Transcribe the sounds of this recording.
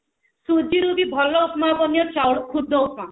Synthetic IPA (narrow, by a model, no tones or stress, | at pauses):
sud͡ʒiɾubibʱɔlːɔːpmabɔnijɔt͡ʃawɽkʰud̪ʱːɔwpmã